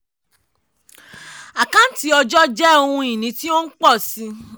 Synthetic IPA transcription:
a˨kã˨˦n̩˦ti˦ɔ˧d͡ʒɔ˦d͡ʒɛ˦o˧hũ˧i˨nĩ˨˦ti˦õ˦n̩˦k͡pɔ˦˨si˧

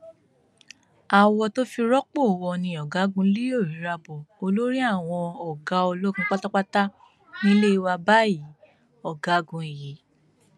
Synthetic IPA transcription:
a˨wɔ˧to˦fi˧ɾɔ˦k͡po˦˨wɔ˧nĩ˧ɔ˨ɡa˨˦ɡũ˧˦li˦o˦˨ɾĩ˨˦ɾa˧bɔ˨o˧lo˦ɾi˦a˦˨w̃ɔ̃˧ɔ˨ɡa˨˦o˧lo˦ɡũ˧˦k͡pa˦ta˦k͡pa˦ta˦ | nĩ˦le˦i˧wa˧ba˦ji˨˦ | ɔ˦˨ɡa˨˦ɡũ˧e˨ji˨˦

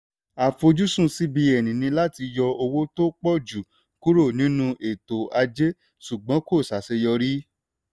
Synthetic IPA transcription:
a˨fo˧d͡ʒu˦sũ˦˨si˦bi˧ɛ˨nĩ˨nĩ˧la˦ti˧jɔ˧o˧wo˦to˦k͡pɔ˦˨d͡ʒu˨ | ku˦ɾo˦˨nĩ˨˦nũ˧ʔe˨to˨a˧d͡ʒe˦ | ʃu˨ɡ͡bɔ̃˨˦ko˦˨sa˨se˧jɔ˧ɾi˦

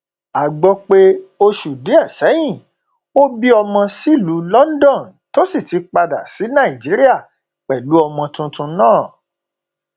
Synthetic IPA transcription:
a˨ɡ͡bɔ˧k͡pe˧o˧ʃu˨di˨˦a˦˨sɛ˨˦j̃ĩ˦˨ | o˦bi˦ɔ˧mɔ̃˧si˦˨lu˨˦lɔ˦n˦dɔ̃˦˨n | to˦si˦˨ti˨˧k͡pa˧da˨si˨˦nã˦˨i˨d͡ʒi˨˦ɾi˦a˦˨ | k͡pɛ˨lu˨˦ɔ˧mɔ̃˧tũ˧tũ˧nãː˦˨

